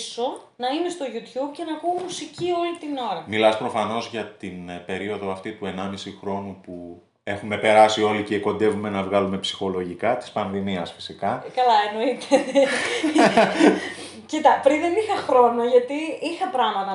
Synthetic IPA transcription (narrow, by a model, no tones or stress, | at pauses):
so̞ | nɐine̞st̪o̞ʝut̪çub̚ce̞nɐkuomusicio̞lit̪ino̞ɾɐmilɐspɾo̞fɐno̞zʝɐt̪inpe̞ɾio̞ðoɐft̪it̪ue̞nɐmisixɾo̞nupu | e̞xume̞pe̞ɾɐsio̞liceko̞nd̪e̞vume̞nɐvɣɐlume̞psi̥xo̞lo̞ʝikɐt̪i̥spɐnðimiɐsfi̥sikɐkɐlɐeno̞it̪et̪e | cit̪ɐpɾinðenixɐxɾo̞noʝɐt̪iixɐpɾɐmɐnɐ